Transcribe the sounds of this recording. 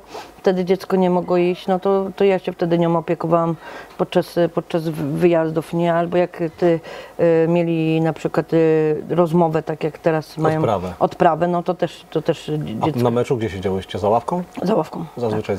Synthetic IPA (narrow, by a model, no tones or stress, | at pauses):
ft̪ɛd̪ɘd͡ʑɛt̪skɔɲɛmɔɡwɔiɕt͡ɕnɔt̪ɔt̪ɔjaɕɛft̪ɛd̪ɘɲɔmɔpʲjɛkɔvawampɔt̪̚t͡ʂaspɔt̪̚t͡ʂazvɘjazd̪ufɲɛalbɔjakt̪ɘ | mʲjelʲinapʂɘkwat̪ɾɔzmɔvɛt̪akʲjakt̪ɛɾasmajjɔ̃wɾavɛɔt̪pɾavɛnɔt̪ɔt̪ɛʂt̪ɔt̪ɛʂd͡ʑɛt̪namɛt͡ʂuɡd͡ʑɛɕed͡ʑawɛɕt͡ɕɛzawafkɔ̃w̃zawafkɔ̃w̃zazvɘt͡ʂaj